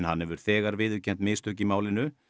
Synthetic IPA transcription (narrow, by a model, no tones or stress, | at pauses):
nhanhɛvʏɾ̥θɛːɣaɾvɪðʏcʰɛnt̪mɪːðst̪ʰʏhc̬ɪmaːwlɪnʏ